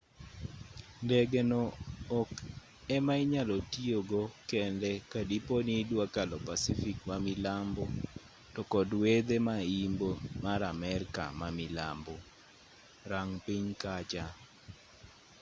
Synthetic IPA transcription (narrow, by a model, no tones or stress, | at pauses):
ndɛɡɛnɔːk | ɛmaɪɲalɔtioɡokɛndɛkadiponidwakalɔpasifikmamilambɔ | tɔkɔdwed̪emaimbomaɾamɛɾka̰mamɪla̰mbɔ | ɾaŋpiɲkat͡ʃa